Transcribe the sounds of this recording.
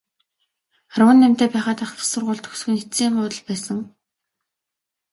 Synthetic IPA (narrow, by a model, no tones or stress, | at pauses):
χarwə̆nːæmʲt̪eːpæːχaːt̪aχt̪ʰʊ̥sə̆rʁʊːɮt̪ʰɵ̥xsxɵ̆net͡siːŋχʊːt̪ə̆ɮpæːsə̆ŋ